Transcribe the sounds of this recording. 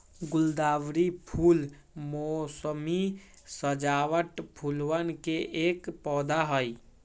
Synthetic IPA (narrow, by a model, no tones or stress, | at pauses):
ɡʊld̪aːʋɾipʰul | mɔsəmi | səd͡ʒawəʈpʰulwənkeeːkpɔːd̪aɦəj